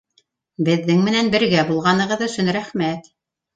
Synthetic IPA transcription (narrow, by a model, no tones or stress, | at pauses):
bɘ̆ðːɘŋmɘ̆nænbɘ̆ɾɡæbulˠʁɑnɤ̆ʁɤðɵ̆sɵnɾæχmæt̪